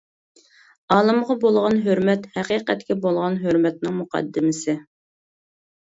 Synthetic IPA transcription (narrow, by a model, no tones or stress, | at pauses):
ɑːlˠɨmʁɑbolˠʁɑnɦøɾmɛt̪hɛqiːqɛt̪̚kʲɛbolˠʁɑnɦøɾmɛt̪̚nɪŋmuqʰɑ̰d̪ːɪmɪsɪ